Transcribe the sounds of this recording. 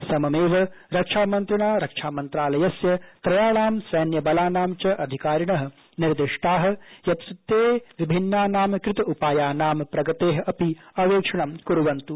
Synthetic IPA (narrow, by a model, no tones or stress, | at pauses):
sɐmɐmeːʋɐɾɐkʂʰaːmɐnt̪ɾɐɳaːɾɐkʂʰaːmɐnt̪ɾaːlɐjɐsjɐt̪ɾɐjaːɭaːmsɐːnjɐbɐlaːnaːmt͡ʃɐʔɐd̪ʱikaːɾjɐɳɐɦɐ̆ | niɾd̪iʂʈaːɦɐ̆jɐt̪sit̪ːeːʋibʱinːaːnaːmkɾɪt̪ɐʔupaːjaːnaːmpɾɐɡɐt̪eːɦɐ̆ʔɐpiɐʋeːkʂɐɳɐmkuɾuʋɐnt̪u